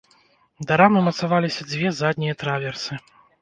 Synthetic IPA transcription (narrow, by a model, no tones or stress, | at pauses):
d̪aɾamɨmɐt̪savalʲisʲɐd͡zʲvʲɛzad̪ʲnʲijɐt̪ɾavʲɛrsɨ